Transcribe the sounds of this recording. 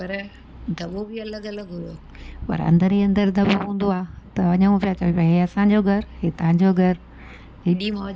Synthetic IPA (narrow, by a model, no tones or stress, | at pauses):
pɐɾ | d̪ʱɐbobɪɐləɡɐləɡɦʊ̃ɾo | pɐ̰ɾɐ̰̃nd̪əɾiɐ̃nd̪əɾd̪ʱɐboɦũːn̆d̪oaːt̪ɐʋɐɲəũpijat͡ɕɐepãɦeɐsãɲd͡ʑoɡʱɐɾɦet̪ɐɦãɲd͡ʑoɡʱɐɾ | ɦɪɗimɐ